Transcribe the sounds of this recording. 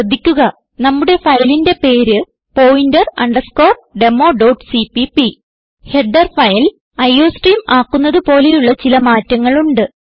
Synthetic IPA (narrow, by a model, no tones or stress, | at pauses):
d̪ʱːikʲːuɣɐ | nɐmːuɽe̞fɐjlinde̞pe̞ːɾɨ | po̞ːwindɐrɐ̰ɳɖɐrsko̞ːrɖe̞mːo̞ːɖowʈsipipi | he̞ɖɐrfɐjl | ɐjːo̞ːsʈriːmaːkːunːɐðɨpo̞ːlejuɭːɐt͡ɕilɐmaːtːɐŋːɐɭuɳɖɨ